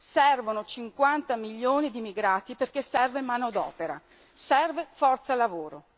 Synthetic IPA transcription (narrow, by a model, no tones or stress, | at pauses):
sɛrvonot͡ʃiŋkwant̪amiʎːoːnid̪imiɡɾaːt̪iperkesɛrvemaːnod̪ɔ̰ːpeɾa̰ | sɛrvefɔrt̪salavoːɾo̰